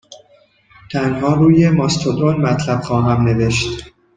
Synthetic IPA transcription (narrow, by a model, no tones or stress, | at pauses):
t̪ʰænhɒːɾuːjemɒst̪ʰod̪ɾonmæt̪ʰlæb̥xɒːɦæmne̞ve̞ʃt̪